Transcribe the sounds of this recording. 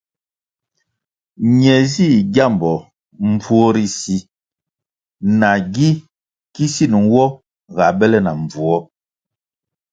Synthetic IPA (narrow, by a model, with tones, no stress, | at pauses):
ɲɛ˨zi˦˨ɡja˦˨mbɔ˨ | m˦b͡vu˦ɔ˦ɾi˦si˦ | na˨ɡi˦ | ki˦si˦˨nu˨n˦wɔ˦ | ɣa˨bɛ˦lɛ˦na˨ɱ˨b͡vu˨ɔ˦